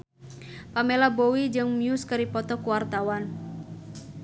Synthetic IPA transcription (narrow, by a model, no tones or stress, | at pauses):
pamelabowid͡ʒɨŋmiuskaɾipɔt̪ɔkuwart̪awan